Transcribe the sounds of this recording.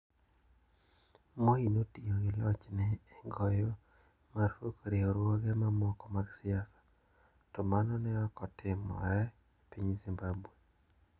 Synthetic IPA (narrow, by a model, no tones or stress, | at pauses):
moinotioɡɪlɔt͡ʃnɛːŋɡɔjɔ | marfokɾioɾwɔɡɛmamɔkɔmaɡsɪasḁ | tɔmanɔnɛɔkɔtɪmɔ̰ɾɛ | piɲzimbabwe